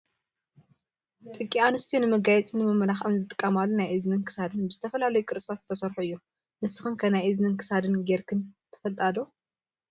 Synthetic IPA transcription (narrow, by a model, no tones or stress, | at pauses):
t̪ʼɨkʼːianɨst̪ʰijonɨmɐɡajɛt͡sʼɨnɨmɨmɐlaxʔɨnzɨt̪ʼɨ̥kʼːɐmalːunajʔɨznɨnkʰɨ̥sad̪ɨnbɨzɨt̪ʰɐfɐlalɐjukʼɨɾsʼt̪ʰat̪z̥ɨt̪ʰɐsɐɾħuɨjːu | nɨsɨxɨnkʰɐnajʔɨznɨnkʰɨ̥sad̪ɨnɡeɾkʰɨnt̪ʰɨ̥fɐlt̪ʼɐd̪o